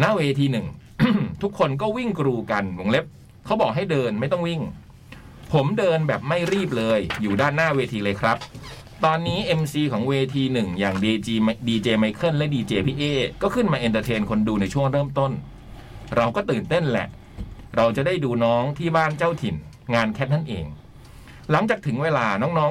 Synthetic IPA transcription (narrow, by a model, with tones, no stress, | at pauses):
na˥˩weː˧t̪ʰiː˧nɯ˨˩ŋ | t̪ʰu˦˥kʰːo˧nk̬ɔː˥˩wi˥˩ŋkɾuː˧ka˧nwo˨˧˦ŋle˦˥p̚ | kʰa˦˥wbɔː˨˩k̚ɦa˥˩jdɤː˧nma˥˩jt̪ɔ˥˩ŋwi˥˩ŋ | pʰo˩˦mdɤː˧nbɛː˨˩p̚ma˥˩jɾiː˥˩p̚lɤː˧jːuː˨˩daː˥˩nːaː˥˩weː˧t̪ʰiː˧lɤː˧jkʰɾa˦˥p̚ | t̪ɔː˧nːiː˦˥ʔe˧msiː˧kʰɔː˩˦ŋweː˧t̪ʰiː˧nɯ˨˩ŋjaː˨˩ŋː˧diː˧t͡ɕeː˧ma˧jkʰɤ˥˩nlɛ˦˥ʔdiː˧t͡ɕeː˧pʰiː˦˥ʔeː˧˥˩kɔː˥˩kʰɯ˥˩nmaː˧ʔi˧nt̪ə˧t̪ʰeː˧nkʰo˧nduː˧na˧jt͡ɕʰu˥˩əŋɾɤː˥˩mt̪o˥˩n | ɾa˧wkɔː˥˩t̪ɯː˨˩nt̪e˥˩nlɛ̰˨˩ʔ | ɾa˧wt͡ɕa˨˩daː˥˩jduː˧nɔː˦˥ŋt̪ʰiː˥˩baː˥˩nt͡ɕa˥˩wt̪ʰi˨˩n | ŋaː˧nkʰɛ˦˥t̪̚na˥˩nʔḛː˧ŋ | la˩˦ŋt͡ɕaː˨˩k̚t̪ʰɯ˩˦ŋweː˧laː˧nɔː˦˥ŋnɔː˦˥